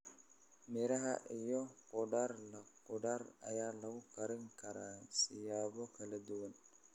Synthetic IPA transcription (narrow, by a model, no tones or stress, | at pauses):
mɪɾɐɦɐ̰ʔijɔqʊɖarlɐqʊɖaːrɐ̰jaːlɐɣʊqɐɾɪŋkʰɐɾaːsɪjaːβɔkʰɐlɐd̪ʊwɐn